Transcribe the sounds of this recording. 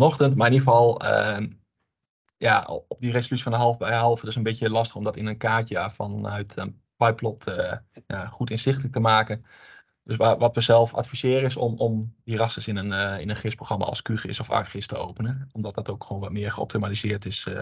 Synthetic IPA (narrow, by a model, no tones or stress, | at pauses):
ɔnɔxtəntmaɹɪnivəɔlˠə̰ | ja̰ɔp̚diresolytt͡sifɔndəɦɔlˠfbɛjɦɑlˠfətɪsənbɪtjəlɑstəxɔmdɔtɪnənkaːtəafɔnœɥtʰən | pajplɔtʰəjaχutɪnsɪxtələk̚təmaːkən | d̥øsʋaʋɔtʋəzɛlˠfa̰tfisɪːɾəɪsɔ̰mɔmdirɑsəsɪnənɪnənχɪsproxrɑma̰ɔ̰lˠskyχɪ̰sɔfa̰rχɪstəo̰wpənəɔmdɔt̚dɔtowkχʋoːnʋɔtmɪəɹχəɔ̰p̚tʰimalizɪəɹtɪs